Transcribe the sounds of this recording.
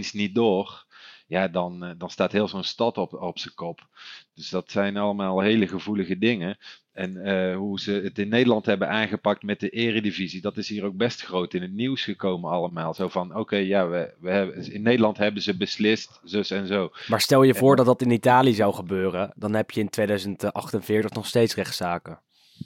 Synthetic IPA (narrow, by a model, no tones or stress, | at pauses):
nsnit̚dʊːrjaːdɑndɑnstaːtɦɪːlˠzownstɑtɔpɔpsəkɔpd̥ɵsd̥ɑtsɛjnɑləmaːlˠɦejləχəvuləɣədɪŋə | ɛnəɦuzəətɪnːejdəlɑntɦɛbənʔaːnχəpɑk̚tmɛt̚dəʔɪːrədivizidɑtɪsɦiːrowɡ̚bɛstxrowtɪnɦət̚niwsχəkowmənɑləmaːlˠzowvɑnowkejjaːʋəʋəɪnːejdəlɑntɦɛbənzəbəslɪstzɵsɛnzowmaːɹstɛlˠjəvʊːɹdɑtdɑtɪnitaːliəzɑwχəbøːrədɑnɦɛpjəɪntʋejdœɥzəntʔɑ̰χtənvɪːɹtəχnɔχstejtsrɛχtsaːkə